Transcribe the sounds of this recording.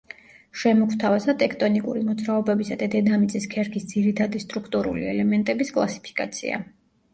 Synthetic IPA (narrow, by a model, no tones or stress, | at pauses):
ʃɛmɔkʰt̪ʰavazat̪ʼɛkʰt̪ʼɔnikʼṵɾimɔd̪zɾaɔbɛbisad̪ad̪ɛd̪amit̪sʼiskʰɛɾkʰisd̪ziɾit̪ʰad̪ist̪ʼɾukʰt̪ʼuɾṵlḭɛlɛmɛnt̪ʼɛbiskʼlˠasi̥pʰi̥kʼa̰t̪sʰḭa̰